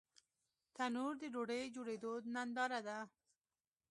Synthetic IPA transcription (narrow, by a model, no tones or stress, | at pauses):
t̪anuɾd̪əɖoɽəjd͡ʒoɽed̪onand̪ɑɾad̪a